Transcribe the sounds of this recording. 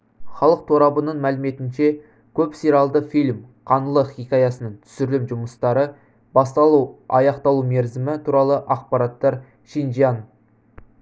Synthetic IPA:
χɑlˠəq̚t̪ʰoɾɑbənəɴmælɪme̞t̪ɪnʃe̞ | kʲʰɵpsiɾɑlˠd̪əfilʲmqʰɑnəlˠəχikʲɑjɑsənəɴt̪ʰʏ̥sʏɾlɪmʒʊməst̪ɑɾə | bɑst̪ɑlˠuwɑjɑqt̪ɑlˠume̞ɾzɪmɪt̪ʰuɾɑlˠəʔɑq̚pɑɾɑt̪ːɑɾ | ʃinʒijan

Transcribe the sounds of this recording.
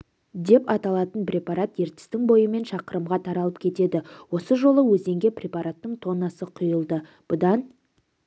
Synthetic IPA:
d̪e̞pɑt̪ɑlˠɑt̪ənprʲe̞pɑɾat̪je̞ɾt̪ɪ̥st̪ɪŋbo̞jəme̞nʃɑqəɾəmʁɑt̪ʰɑɾɑlˠəp̚kʲʰe̞t̪e̞d̪ɪwo̞səʒo̞lˠəwɵze̞ŋɡʲe̞pʰrʲe̞paɾat̪ːəɴt̪ʰo̞nɑsəqʰʊjəlˠd̪ə | b̥ʊd̪ɑn

